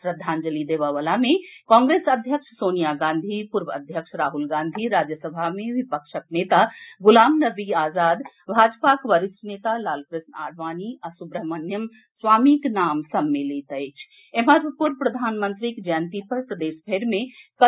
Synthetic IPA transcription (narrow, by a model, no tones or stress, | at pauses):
pɾəd̪ʱaːnd͡ʒəlid̪eʋaʋalamẽkɔ̃ːŋɡɾesəd̪ʱjəkʂsoːnijaɡãːnd̪ʱipuɾʋəə̰d̪ʱjəkʂɾaːɦulɡãːnd̪ʱiɾaːd͡ʒjəsəbʱamẽʋipəkʃəknet̪aɡulaːmnəbiaːzaːd̪ | bʱaːd͡ʒpakʋəɾisnet̪alaːlpɾɪsna̰ɽʱʋaːniasubɾəɦmənjəm | sʋaːmiknaːmsəmːelit̪ət͡ʃʰ | eməɾpuɾpɾəd̪ʱaːnmə̃nt̪ɾikd͡ʒəjənt̪ipəɾpɾəd̪eːsbʱeɾmẽkə